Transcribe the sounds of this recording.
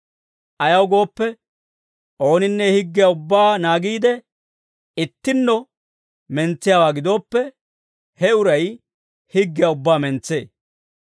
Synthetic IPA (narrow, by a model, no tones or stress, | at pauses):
ʔɐjɐwɡo̞ːpːɛ | ʔo̞ːnɪnːɛhɪɡːɪjaʊbːaːnaːɡiːd̪ɛ | ɪt̪ːɪnːɔ | mɛnt͡sːɪjaːwaːɡɪd̪o̞ːpːɛ | hɛʊɾɐj | hɪɡːɪjaʊbːaːmɛnt͡sːe̞̰ː